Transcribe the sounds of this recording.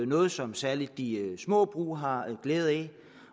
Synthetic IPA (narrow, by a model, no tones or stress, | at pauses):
nɔ̽ːð̞̩ˠsɒ̽msæɐlid̥̚ːismɔ̰ːb̥ʁṵːɦɑ̈ɡ̥leːð̞̩ˠɛ